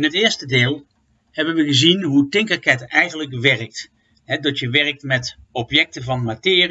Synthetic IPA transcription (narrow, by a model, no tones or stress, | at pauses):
ɪnɦətɪːɹstədɪːlˠ | hɛbənʋəɣəzinɦutɪŋkakɛtɛjχənləkʋɛrək̚t | ɦɛdɑtjəʋɛrək̚tmɛtɔpjɛk̚təvɑnmatɪːr